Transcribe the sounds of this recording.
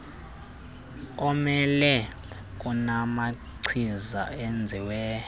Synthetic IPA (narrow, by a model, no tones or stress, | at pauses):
ɔmɛlɛ | k̬ʼunama | ǀʰiza̰end͡zʱiwɛː